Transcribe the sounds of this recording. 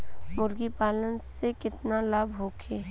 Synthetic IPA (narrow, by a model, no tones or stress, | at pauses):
mʊɾɡipaːlənsekɪt̪nalabʱɦoːkʰeː